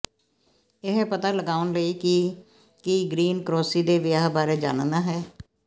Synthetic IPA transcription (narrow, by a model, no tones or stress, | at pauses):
ɪɦpət̪aːləɡaːʊnləiːkiː | kiɡɾiːnkɾoːsiːd̪eːʋɪjaːɦbaːɾeːd͡ʒa̰ːnnd̪aːɦɛː